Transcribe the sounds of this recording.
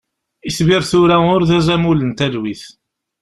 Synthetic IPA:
isviɾθʊɾæʊɾðæzæmulənt̪æðwiθ

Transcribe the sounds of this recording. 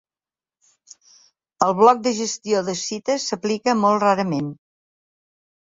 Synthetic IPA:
əlˠβlɔk̚d̪əʒəst̪ioðəsit̪əsːəplikəmolˠtraɾəmen

